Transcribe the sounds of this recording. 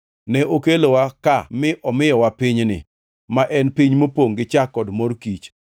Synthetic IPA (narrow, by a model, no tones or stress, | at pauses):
nɛʔokelowakamɪʔɔmɪjɔwapɪɲnɪ̰ | maʔɛnpiɲmopoŋɡɪt͡ʃakːɔdmorkit͡ʃ